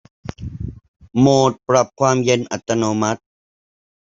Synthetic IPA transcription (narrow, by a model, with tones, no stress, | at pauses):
moː˨˩t̪̚pɾa˨˧p̚kʰwaː˧˥mje˧nʔa˨t̪ːa˧noː˧ma˦t̪̚